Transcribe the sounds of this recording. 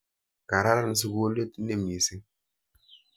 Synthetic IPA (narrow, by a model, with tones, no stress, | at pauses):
ka˨ɾa˦ɾa˦n˨s̬i˦ɡo˦le˦tne˦mi˨si˦